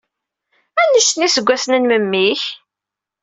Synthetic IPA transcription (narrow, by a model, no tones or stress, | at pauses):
ænːəsnisəɡʷːæsənənməmːiç